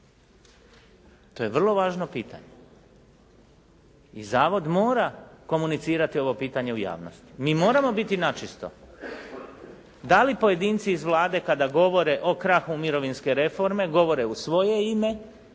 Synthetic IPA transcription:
t̪o̞je̞ʋr̩lˠo̞ʋaːʒnopiːt̪a̰ɲe | izaːʋo̞d̪moːɾako̞munit̪siːɾat̪io̞ʋo̞piːt̪aɲe̞uja̰ːʋno̰st̪i̥miːmo̞ːɾamo̞bit̪inat͡ʃist̪o̞̰ | d̪alipo̞je̞d̪iːnt̪siːzʋlˠaːd̪e̞kad̪aɡo̞ʋo̞ɾe̞ʔo̞kɾaxumiɾo̞ʋinske̞ɾe̞fo̞ɾme̞ɡo̞ʋo̞ɾe̞usʋo̞je̞ime̞

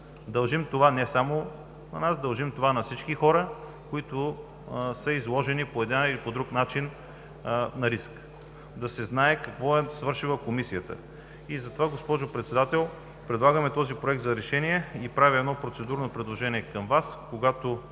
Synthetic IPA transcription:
d̪ɐlˠʒimt̪ovanɛsamo | nɐ̰nasd̪ɐlˠʒimt̪ovanɐfsit͡ʃkixɔɾə | koit̪ʊ | səizlˠɔʒɛnipoɛd̪ɛnilipod̪ɾuknat͡ʃin | nɐɾisk | d̪ɐsɛznaɛkɐkvɔɛsvɤɾʃivˠəkomisijət̪ə̰ | izɐt̪ovaɡospɔʒʊpɾɛt̪sɛd̪at̪ɛlˠ | pɾɛd̪lˠaɡəmɛt̪ɔzipɾoɛk̚t̪zɐɾɛʃɛniɛipɾavʲiɛd̪nɔpɾot̪sɛd̪uɾnopɾɛd̪lˠoʒɛniɛkɐmvaskoɡat̪o

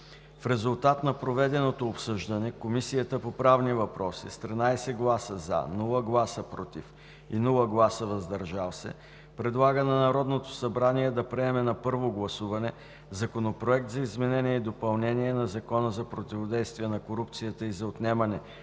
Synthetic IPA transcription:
fɾɛzulˠt̪at̪nɐpɾovɛd̪ɛnot̪oːpsɤʒd̪ɐnɛkomisijət̪əpopɾavnivɐpɾɔsḭst̪ɾinajsɛɡlˠasəza̰nɔlˠəɡlˠasəpɾɔt̪if | inulˠəɡlˠasəvɐzd̪ɐɾʒalˠsɛ̰ | pɾɛd̪lˠaɡənɐnɐɾɔd̪not̪o̥sɐbɾaniɛd̪ɐpɾɛɛmɛnɐpɤɾvoɡlˠɐsuvɐnɛ | zɐkonopɾoɛk̚t̪zɐizmɛnɛniɛid̪opɐlˠnɛniɛnɐzɐkɔnəzɐpɾot̪ʲivod̪ɛjst̪vijɛnɐkoɾup̚t̪sijət̪əizɐot̪nɛmɐnɛ

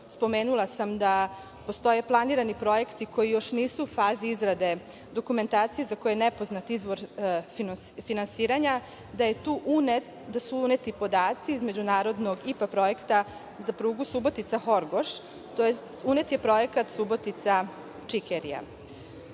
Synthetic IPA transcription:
spo̞meːnulˠasamd̪a | po̞st̪o̞je̞plˠaniɾanipɾo̞je̞kt̪iko̞jijo̞ʃniːsuːfaːziizɾad̪e̞ | d̪o̞kume̞nt̪aːt̪sijezako̞jenepo̞znat̪izʋo̞ɾn | finansiːɾaɲa | d̪ajet̪uʔn | d̪asuune̞t̪ipo̞d̪aːt̪siizmed͡ʑunaːɾo̞d̪no̞ɡipapɾo̞je̞kt̪a | zapɾuːɡusubo̞t̪it̪saxo̞ɾɡo̞ʃ | t̪oje | unet̪je̞pɾo̞je̞kat̪subo̞t̪it̪sa | t͡ʂikeɾḭja̰

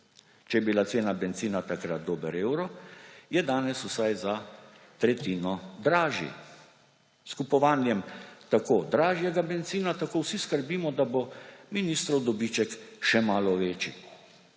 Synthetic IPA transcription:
t͡ʃɛjɛbilat̪seːnabɛnt̪ziːnat̪akɾat̪̚d̪oːbəɾeːwɾɔjɛd̪aːnɛsusajza | t̪ɾɛt̪iːnɔd̪ɾaːʒjḭ | skupɔʋaːnjɛmt̪akoːd̪ɾaːʒjɛɡabɛnt̪siːnat̪akoːwsiskəɾbiːmɔd̪abominist̪ɾɔwd̪ɔbit͡ʃɛkʃɛmaːlɔʋeːt͡ʃḭ

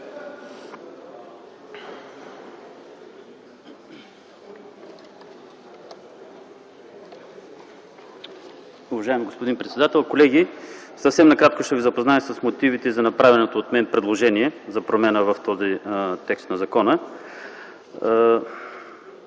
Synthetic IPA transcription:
ʊvɐʒaɛmiɡospod̪inpɾɛt̪sɛd̪at̪ɛlˠkolɛɡʲisəfsɛmnɐkɾat̪koʃt̪ɛvizɐpoznaɛsɐsmot̪ivit̪ɛzɐnɐpɾavɛnot̪oːt̪mɛnpɾɛd̪lˠoʒɛniɛzɐpɾomɛnəvɐft̪ɔzit̪ɛkst̪nɐzɐkɔnə

